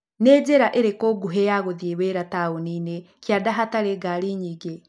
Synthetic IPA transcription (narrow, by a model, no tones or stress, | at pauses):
neːd͡ʑeɾaʔeɾekoɡuɦejaɣoðieweɾataonine | kjadaɦataɾeɡaɾiɲiɡe